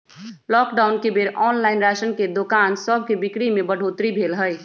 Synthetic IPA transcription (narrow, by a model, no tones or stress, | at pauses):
lɔːkɖaːʊnkebeɾɔːnlaɪnɾaʃənked̪okaːnsəb̚ʱkebikɽimebəɽ̤ʱot̪ɾibʱelɦəj